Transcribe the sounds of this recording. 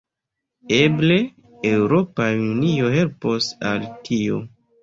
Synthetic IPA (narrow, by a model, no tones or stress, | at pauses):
eble̞ | ewɾo̞paunio̞ɦe̞lpo̞sa̰ltʰio̞̰